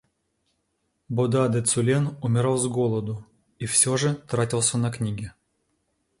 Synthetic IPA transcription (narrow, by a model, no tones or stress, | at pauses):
bʊd̪ad̪ɛt̪sʊlʲenʊmʲɪɾalˠzɡolˠəd̪ʊ | ifsʲoʐɨt̪ɾatʲilˠsʲənɐknʲiɡʲɪ